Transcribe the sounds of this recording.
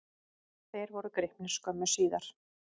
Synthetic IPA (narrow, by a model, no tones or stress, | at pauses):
θejɾvɔɾʏkɾɪhpnɪskœmʏsiːðaɾ̥